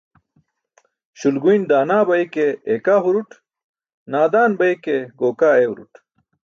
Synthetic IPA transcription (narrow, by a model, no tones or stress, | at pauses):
ɕulɡuind̪aːnaːbɐikeekaɦuɾuʈ | naːd̪aːnbɐikeɡoːkaːewɾṵʈ